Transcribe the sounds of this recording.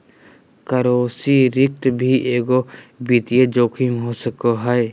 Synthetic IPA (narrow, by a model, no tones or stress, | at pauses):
kəɾoːsiɾɪk̚t̪bʱiʔeːɡobit̪ijed͡ʒoːkʰimɦosəkoɦɛe